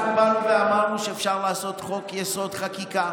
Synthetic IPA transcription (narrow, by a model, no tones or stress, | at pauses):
ubanuveamaʁnuʃeːfʃaʁlaːso̞t̪χo̞kjeso̞d̪χakika